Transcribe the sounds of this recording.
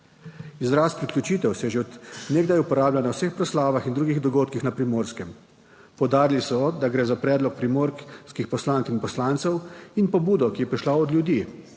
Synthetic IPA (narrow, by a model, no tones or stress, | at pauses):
izɾaspɾiklʲjʲut͡ʃiːt̪ɛwsɛjɛʒeɔd̪neːɡd̪ajupɔɾaːblʲjanawsexpɾɔslaːʋaxind̪ɾuːɡiɣd̪ɔɡoːt̪kixnapɾimoːɾskɛm | pɔwd̪aːɾilisɔd̪aɡɾɛːzapɾɛːd̪lɔk̚pɾimoɾskixpɔslaŋkinpɔslaːnt̪sɛwinpɔbuːd̪ɔkijɛpɾiʃlaɔd̪ljud̪iː